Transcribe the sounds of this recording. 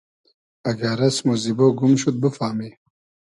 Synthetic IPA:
ɐɡaɾɐsmuziboɡumʃut̪̚bəfaːmi

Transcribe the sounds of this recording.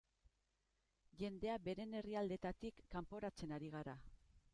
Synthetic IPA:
ʝe̞nd̪e̞abe̞ɾe̞ne̞riald̪e̞t̪at̪ikːampo̞ɾat͡se̞naɾiɣ̞aɾa

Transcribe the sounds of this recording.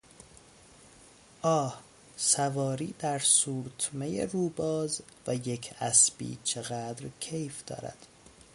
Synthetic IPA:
ʔɒːh | sævɒːɾiːd̪æɾsuːɾt̪ʰmejḛruːbɒːz | væjecʰæsbḭːt͡ʃʰeɣæd̪ɾcʰe̞jfd̪̥ɒ̰ːɾæ̰d̪̥

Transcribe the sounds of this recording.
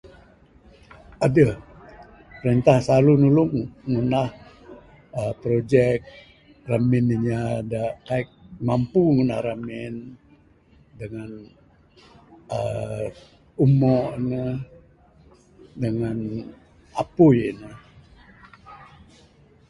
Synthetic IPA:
adəh | pəɾənt̪ahsalunulʊŋːunah | əpɾod͡ʒɛk̚ | ramɪniɲadaʔkaɪk̚mampuŋunahramɪn | dəŋan | ə | umɔʔnə | dəŋan | apʊjnə

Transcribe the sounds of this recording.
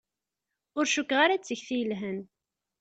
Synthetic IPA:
ʊɾʃukːʁaɾat͡sːəçθijəlɦən

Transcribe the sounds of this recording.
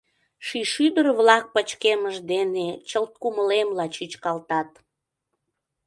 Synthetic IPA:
ʃiʃyd̪ərβlɑk̚pət͡ɕkeməʒd̪enet͡ɕəlt̪̚kuməlemlɑt͡ɕyt͡ɕkɑlt̪ɑt̪

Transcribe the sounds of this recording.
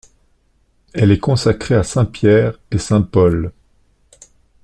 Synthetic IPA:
ɛlɛkɔ̃sakχeasɛ̃pjɛʁesɛ̃pɔl

